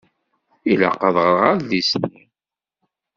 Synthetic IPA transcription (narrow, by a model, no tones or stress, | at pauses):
ila̰qəðˤʁəɾʁaɾðisni